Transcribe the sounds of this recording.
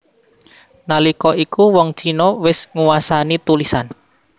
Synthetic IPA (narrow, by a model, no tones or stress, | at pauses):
nalikɔʔikuwɔŋ̥t͡ʃinowɪsŋuwasanit̪ulisan